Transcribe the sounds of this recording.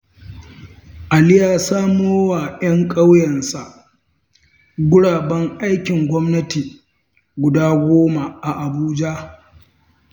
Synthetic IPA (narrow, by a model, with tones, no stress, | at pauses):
ʔa˨lɪ˦jaː˨saː˦moː˦waː˨jɐ˦ŋkʼa˦wjɛ˨nsa˨ʔ | ɡʷʊ˦ɽaː˨bɐ˦ŋʔa˦jkʲɪ˨ŋɡʷɔ˦mnɐ˦tiː˨ | ɡʷʊ˨daː˦ɡʷoː˦ma˨ʔa˨ʔa˨buː˦d͡ʒa˦